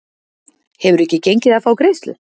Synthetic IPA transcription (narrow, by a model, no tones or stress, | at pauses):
hɛvʏɾɛhcːɪcejɲcɪðaðfaːwkɾejst̪lʏ̰